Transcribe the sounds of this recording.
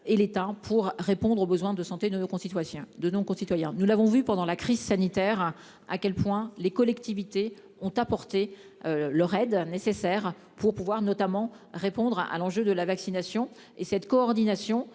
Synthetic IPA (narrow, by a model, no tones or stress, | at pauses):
elet̪apʰuʁːepɔ̃d̪ʁobəzwɛ̃d̪əsɑ̃t̪ed̪ənokɔ̃sit̪waɛ̃d̪ənɔ̃kɔ̃sit̪wajɛ̃nulavɔ̃vypɑ̃d̪ɑ̃lakχizsanit̪ɛʁ | a̰kʲɛlpwɛ̃lekɔlɛkt̪ivit̪e | ɔ̃t̪apɔʁt̪e | lœʁɛd̪nesesɛʁ | puʁpuvwaʁnɔt̪amɑ̃ | ʁepɔ̃d̪ʁa̰lɑ̃ʒød̪əlavaksinasjɔ̃ | esɛt̪kɔːʁd̪inasjɔ̃